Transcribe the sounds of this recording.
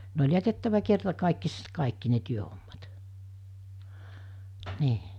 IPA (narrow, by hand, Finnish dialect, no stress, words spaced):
ne olʲ jætetːæʋæ kertɑkɑˑikːisest kɑˑikːi ne tyøhomːɑt niː